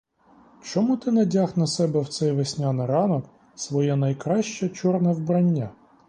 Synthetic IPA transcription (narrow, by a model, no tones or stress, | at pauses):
t͡ʃɔmut̪ɪnɐdʲaxnɐsɛbɛwt̪sɛjʋesʲnʲanɪɾɑnɔk | sʋɔjɛnɐjkɾɑʃt͡ʃɛt͡ʃɔrnɐwbɾɐnʲːa